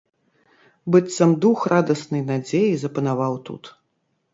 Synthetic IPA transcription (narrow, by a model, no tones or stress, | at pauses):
bɨt̪sɐmd̪uxrad̪ɐsnɨjnad͡zʲejizɐpɐnavawt̪ṵt̪